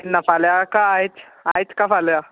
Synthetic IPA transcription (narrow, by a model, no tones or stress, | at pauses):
inːafaljakaajt͡s | ajt͡skafalja